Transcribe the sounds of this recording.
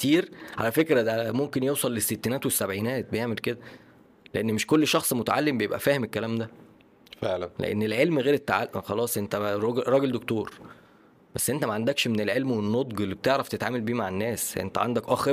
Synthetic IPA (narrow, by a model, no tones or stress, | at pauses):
kt̪iːɾʕa̰læfekɾæd̪æmomkenjewsˤɑlːesːet̪ːinæːt̪wesːæbʕiːnæːt̪̚bejeʕmelked̪æ | leʔenːmeʃkolːʃɑxsˤmot̪aʕalːembejebʔæ̰fæːhemekːælæːmd̪æ | feʕlænlḛʔḛnːelʕelmɣeːɾet̪ːaʕa̰lʔmxɑlɑːsˤʔent̪æɾˤɑɡɾˤɑːɡeld̪okt̪oːɾ | b̥æsːʔent̪æmæʕand̪ækʃmenelʕelmwenːot̪ˤɡelːibet̪eʕɾæft̪et̪ʕaːmælbiːmaʕenːæːsʔḛnt̪æʕa̰nd̪ækʔɑxe